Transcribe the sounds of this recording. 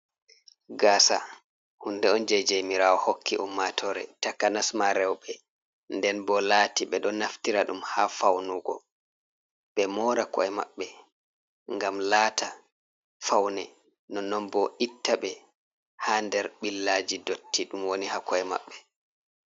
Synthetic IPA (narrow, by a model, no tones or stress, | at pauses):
ɡaːsa̰ | hundɛɔnd͡ʒajd͡ʒajmiɾawɔhokːiʔɔmːatʰɔɾɛ̰takːanasmaɾɛwɓɛ | ndɛnbɔlaːtiɓɛɗɔnaftiɾaɗumhafawnuɡɔ̰ | ɓɛmɔːɾakɔ̰ɛma̰ɓːɛ | ŋɡamlaːta | fawnɛ | nɔnɔnbɔʔitːaɓɛ | handɛɾɓilːad͡ʒidotːiɗumwonihakɔɛma̰ɓːɛ